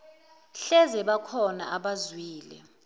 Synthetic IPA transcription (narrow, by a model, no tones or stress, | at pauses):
ɬɛzɛɓakʰɔna̰ʔaɓazwiːlɛ̰